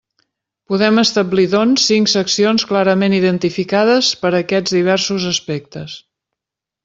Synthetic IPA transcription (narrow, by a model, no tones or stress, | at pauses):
puðɛməst̪əbliðonsːiŋksəksionsklaɾəmeniðənt̪ifikaðəspəɾəkɛd͡zðiβ̞ɛɾsuzəspek̚t̪əs